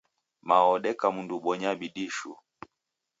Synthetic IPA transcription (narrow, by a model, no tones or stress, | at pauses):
maɔɗɛkamunduɓɔɲabiɗiʃṵ